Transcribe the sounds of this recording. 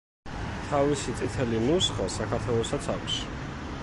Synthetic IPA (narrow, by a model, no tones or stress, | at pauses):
t̪ʰavisit̪sʼit̪ʰɛlinusχasakʰaɾt̪ʰwɛlˠɔsat̪sʰakʷs